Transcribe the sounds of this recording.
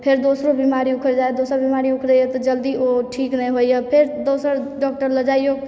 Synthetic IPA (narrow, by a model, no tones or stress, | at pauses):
pʰeɾd̪osɾobimaɾiukʰəɾd͡ʒajd̪osəɾbimaɾiukʰɾəjet̪ɔd͡ʒəld̪ioʈʰiknəjɦojjepʰeɾd̪osəɾɖɔk̚ʈəɾləd͡ʒajjoɡ